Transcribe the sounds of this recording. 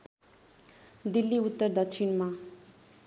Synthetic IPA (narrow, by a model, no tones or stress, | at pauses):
d̪ilːiut̪ːʌrd̪ʌkt͡ʃʰinma